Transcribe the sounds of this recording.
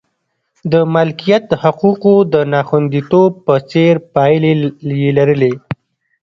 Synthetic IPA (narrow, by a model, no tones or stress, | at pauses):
d̪əmalkijat̪haquqod̪ənɑxwand̪it̪ob̚pət͡seɾpɑjlejelaɾəle